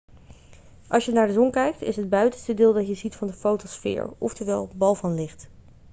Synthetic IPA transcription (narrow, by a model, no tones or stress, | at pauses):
ʔɑlˠsjənaːɹdəzɔnkɛjk̚tɪ̰sɦəd̚bœɥtənstədɪːlˠdɑtjəzitfɑndəfowtosfɪ̰ːɹɔ̰ftəɹʋɛ̰lˠbɑlˠvɑnlɪχt